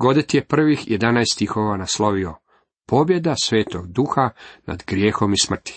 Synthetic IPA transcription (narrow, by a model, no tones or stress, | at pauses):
ɡo̞d̪et̪jepr̩ʋixjed̪anajst̪ixoʋanaslo̞ʋio | po̞bje̞d̪asʋe̞ːt̪oɡd̪uːxana̰d̪ɡɾjeːxo̞mismr̩t̪i̥